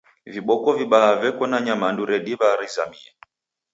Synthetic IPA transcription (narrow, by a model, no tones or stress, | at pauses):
viɓɔkɔviɓaɦavɛkɔnaɲamanduɾɛɗiβaɾiza̰miɛ